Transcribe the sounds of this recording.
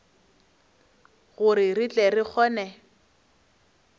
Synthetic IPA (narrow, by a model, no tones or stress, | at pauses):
ɣʊɾɪrit͡ɬʼɛrik͡xʰɔːnɛ